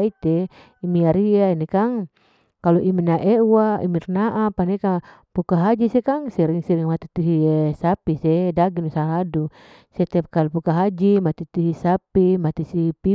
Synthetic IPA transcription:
it̪e | imiaɾiainɛkaŋ | kaluʔiminaʔɛwaḭmirnaʔapanɛka | pukaɦad͡ʒisɛkaŋsiɾiŋsiɾiŋmat̪it̪uɦisapisɛdaɡinusaladu | sɛt̪ɛp̚kalupukaɦad͡ʒimat̪it̪uɦisapimat̪isipi

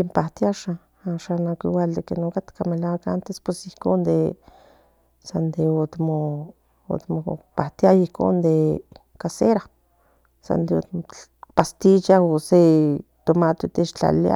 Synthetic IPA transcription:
kempaht̪jaʃa | aʃanakiwald̪ekenokat̪kamelawaka̰nt̪espwesihkond̪e | sand̪eot̪mo | o̰t̪mopaht̪jajihko̰nd̪e | kaseɾa | sa̰nd̪eo̰past̪it͡ʃaose | t̪omat̪ot̪eʃt͡ɬa̰la̰

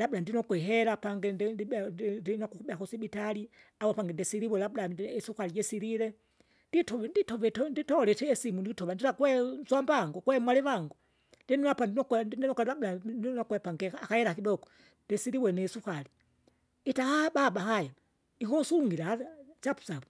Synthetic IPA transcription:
labudandinɔkuɛɦɛɾapaŋɡɛdidinɔkukubɛakɔsibitali | awapaŋɡɛndɛsiɾiwɛlabudaisukalid͡ʒɛsiɾiɾɛ | nditɔnditɔvɛtɔnditɔlɛtɛːsimundiitɔvand͡ʒilakwɛzwambaŋɡɔkwɛmwalɛwaŋɡu | ndɛnapandinɔkndndinɔklɛlablanɔkɛpaŋɡɛakahɛɾakidɔɡɔ̥ | ndɛsiɾiwɛnɛsukali | itahababahaja | iɦɔsuuŋɡilaat͡ʃapu̥sabu

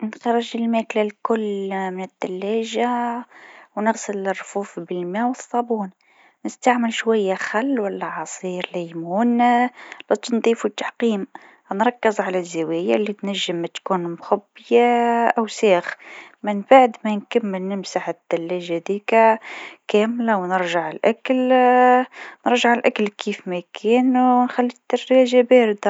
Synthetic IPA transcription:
nxɑɾˤəʒəlmæklalkʊlːmɪnəd̪̥ːælːæʒa | wnəɣsəlrːfuːfbəlmæwəsˤːɑbuːn | nəst̪aʕməlʃwæjːæxalːwælːæʕɑsˤiːɾlæjmuːn | lɑt̪nd̪ˤiːfut̪ːaħqiːm | nɾˤɑkːəzʕalæzːawæja̰lːit̪næʒːəmːæt̪kuːnmxʊbːɪjaʔæwsæːxmɪnbaʕd̪mænkamːɪlnɪmsaħəd̪ːælːæʒhæd̪iːkækæːmlawnəɾʒaʕɪlʔakəl | nəɾˤʒaʕəlʔaklkʰiːfmækʰɛːnwnxælːit̪ːɑrːæʒabæːɾɪd̪a

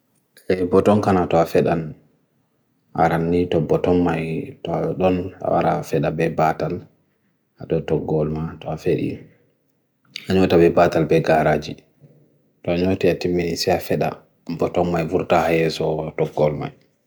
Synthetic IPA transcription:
ɛbɔtɔnkanatɔafɛɗan | ʔa̰ɾanːitɔbɔtɔmːajtɔɗɔna̰wa̰ɾafɛɗabɛbatal | aɗɔtɔɡɔlmatɔafeɗḭ | aɲotabɛbatalbɛɡaɾad͡ʒi | tɔaɲotiatimːinisɛafɛɗa̰ | bɔtɔmːajvuɾtahajɛsɔtɔɡːɔlma̰j

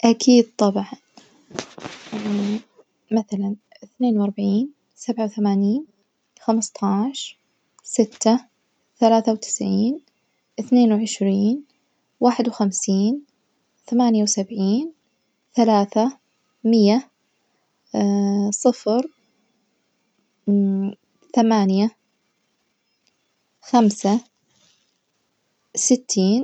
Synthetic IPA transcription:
ʔakʰiːd̪̚t̪ˤɑbʕɑn | maθalan | ʔɪθneːnwʔɑɾˤbaʕiːn | sabʕawθamaːniːn | xamst̪ˤʰɑːʕʃ | sɪt̪ːa | θalaːθawt̪ɪ̥sʕiːn | ʔɪθneːnwʕɪʃɾiːn | waːħɪd̪wxamsiːn | θamaːnjawsabʕiːn | θalaːθa | mɪjːa | sˤɨfɾ | θamaːnja | xamsa | sɪt̪ʰːiːn

